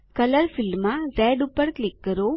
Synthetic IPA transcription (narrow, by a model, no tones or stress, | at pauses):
kələɾfilmːãɾɛɖupəɾklɪkːəɾo